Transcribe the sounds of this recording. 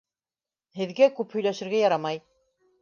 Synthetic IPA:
hɘ̆ðɡækʉphɵ̆jlæʃɘ̆ɾɡæjɑɾɑmɑj

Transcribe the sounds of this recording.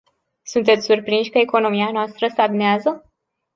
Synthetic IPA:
sunt̪e̞t̪sʲsurpɾinʃʲkəeko̞no̞mianoast̪ɾəsabneazə

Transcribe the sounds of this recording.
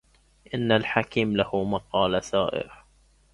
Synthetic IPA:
ʔɪnːalħakiːmlahumaqɑːlasaːʔɪ̰ɾ

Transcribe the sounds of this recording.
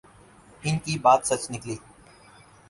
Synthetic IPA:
ɪnkibaːt̪sɐt͡ʃnɪkliː

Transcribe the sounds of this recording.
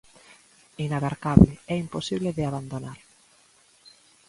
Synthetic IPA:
inaβaɾkaβlɪɛimposiβleðɪaβand̪onaɾ

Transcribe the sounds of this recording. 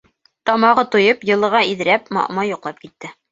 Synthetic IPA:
t̪ɒmɑʁɤt̪ujɤpjɤ̆lˠɤ̆ʁɑiðɘ̆ɾæpmɒ̰ʔmɑjŏqlˠɑp̚kit̪ːɘ

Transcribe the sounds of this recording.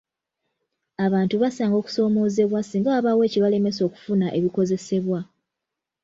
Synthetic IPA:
aβaːntuβasaːŋɡo̞ːku̥so̞ːmo̞ːze̞βwasiːŋɡaːβawe̞ːciβale̞me̞so̞ːku̥funaʔe̞βiko̞ze̞se̞βwa

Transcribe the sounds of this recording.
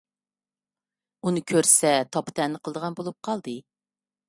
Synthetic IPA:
unɨkʲʰøɾsɛt̪ʰɑpʰt̪ʰɛnːɨqʰəlˠd̪əʁɑnbolˠup̚qʰɑlˠd̪ɨ

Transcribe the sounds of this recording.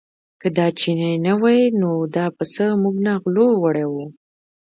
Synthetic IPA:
kəd̪ɑt͡ʃinajnawɑjnod̪ɑpəsəmuɡnɑɣlowəɽawu

